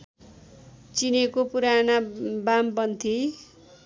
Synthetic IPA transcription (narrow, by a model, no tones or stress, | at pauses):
t͡sinekopuɾanabampʌnt̪ʰi